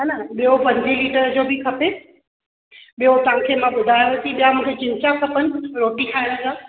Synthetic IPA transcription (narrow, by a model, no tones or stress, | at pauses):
ɦanaɓijopɐ̃ɲd͡ʑʱiliːʈəɾd͡ʑoːbɪkʰɐpe | ɓijot̪ɐãkʰeːmãɓʊd̪ʱaːjoʋet̪ʰiɓijamũːkʰet͡ɕɪ̃nt͡ɕakʰɐpənɪ̆ɾoːʈĩkʰaːnsãː